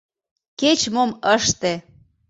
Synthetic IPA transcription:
ket͡ɕmoməʃt̪e

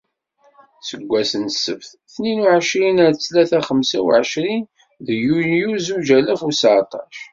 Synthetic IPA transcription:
səɡʷːæsənsə̰fθ | θninuʕəʃɾinæɾt͡sːlæθæχəmsæwʕəʃɾin | ðjunjuzud͡ʒælæfusʕt̪ˤɑʃ

